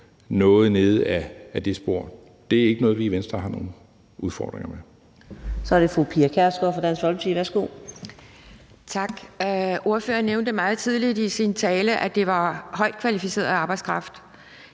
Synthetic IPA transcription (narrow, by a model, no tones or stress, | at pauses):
nɔ̽ːð̞̩ˠne̝ːð̞̩ˠææd̥e̝sb̥o̝ɐ̰ | d̥e̝æɐe̝ɡ̥ənɔ̽ːð̩ˠʋiːʋensd̥ʁɐhɑ̈no̝̰ːn̩ | uðˠfɒ̰ːd̥ʁeŋɐme | sɒ̽æɐɾ̥efʁupʰiːɐkʰæɐsɡ̥ɒfɒdænsʋɒlmət͡sʰiːʋæɐsɡ̥o̝̰ː | t͡sʰɑ̈ɡ̥ʔo̝ɐføːɐnːeʊnd̥əmɑ̈ːð̩ˠt͡sʰið̞ˠlidisint͡sʰɛːləʔæd̥e̝ʋɑ̈hɒ̽ɪd̥̚kʰʋælifise̝̰ɐðˠɑ̈ːb̥ɑ̈ɪdskʰʁɑ̈fd̥